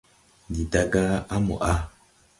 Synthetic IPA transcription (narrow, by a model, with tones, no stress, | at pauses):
di˨da˦ɡa˦a˦mo̰˨ʔa˦